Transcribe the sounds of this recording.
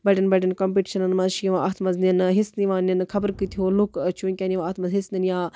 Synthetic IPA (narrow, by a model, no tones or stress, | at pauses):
bɐɖʲɐnbɐɖʲinkoːmpiʈi̥ʃɐnɐnmɐzʃiʋãʔat̪ʰmɐzninɦisniʋãːninkʰɐbəɾkɨt̪ʰiolukt͡ʃʰunʲkʲaniʋːt̪ʰmɐzɦisninjaː